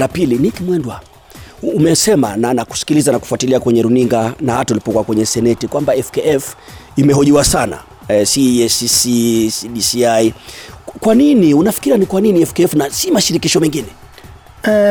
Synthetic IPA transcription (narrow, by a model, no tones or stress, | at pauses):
lapilinikimwɛndwaː | mɛsɛmananaku̥si̥kilizanaku̥fuatiliakwɛɲɛɾuniŋɡanahataulipɔkuakwɛɲɛsɛnɛtikwambaɛfkɛɛf | imɛɦɔʄiwasana̰ | siɛsisisiɗisiajkwaniniunafi̥kiɾianikwaniniɛfkɛɛfnasimaʃiɾikiʃɔmɛŋɡinɛ